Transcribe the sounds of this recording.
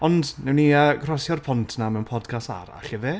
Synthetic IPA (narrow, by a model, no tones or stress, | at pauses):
ɔndnɛwniəɡrɔsjɔrpʰɔntʰnamɛwnpʰɔdkʰasta̰ɾa̰ɬɛve